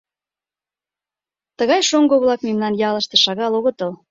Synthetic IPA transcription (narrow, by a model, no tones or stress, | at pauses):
t̪əɣɑjʃoŋɡoβlɑkmemnɑnjɑləʃt̪eʃɑɣɑloɣɤt̪əl